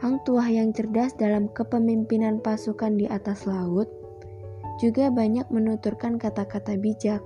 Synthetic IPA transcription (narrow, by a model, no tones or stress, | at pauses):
haŋt̪uahjaŋt͡ʃərdasdalamkəpəmimpinanpasukandiʔat̪aslaʊt̪̚ | d͡ʒuɡabaɲak̚mənut̪urkankat̪akat̪abid͡ʒak̚